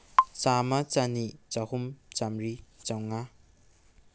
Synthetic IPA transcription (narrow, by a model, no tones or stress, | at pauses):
t͡ʃamɐt͡ʃanit͡ʃahumt͡ʃamɾit͡ʃawŋa